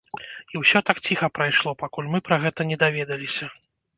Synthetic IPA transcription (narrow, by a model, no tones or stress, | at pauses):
iwsʲɔt̪akt͡sʲixɐpɾajʂlˠɔpakulʲmɨpɾɐɣɛt̪ɐnʲɛd̪avʲɛd̪ɐlʲisʲɐ